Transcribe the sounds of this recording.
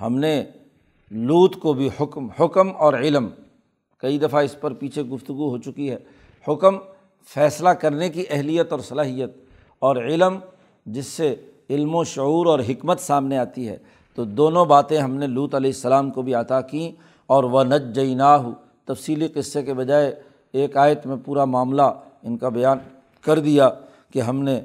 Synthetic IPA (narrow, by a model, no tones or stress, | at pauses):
hɐ̰mne | luːt̪kobʱihʊkmhʊkmɔːɾɪlm | kɐid̪ɐfaɪspɐɾpiːt͡ʃʰeɡʊft̪ʊɡuɦoːt͡ʃʊkiɦɛː | hʊkm | fɛːslakɐɾnekiʔɛɦlijət̪ɔːɾsɐlaːɦijət̪̚ | ɔːɾɪlm | d͡ʒɪsːe | ɪlmõʃʊuːɾɔːɾɦɪkmət̪saːmneaːt̪iɦɛ̰ː | t̪od̪oːnõbaːt̪ẽɦɐmneluːt̪ɐlɛːɪsːɐlaːmkobʱiat̪akĩ | ɔːɾʋɐnɐd͡ʒd͡ʒɐɪnaːɦʊ | t̪ɐfsiːliqɪsːekebɐd͡ʒaːe | eːkaːjət̪mẽpuːɾamaːmla | ɪnkabɐjaːn | kɐɾd̪ija | keɦɐmne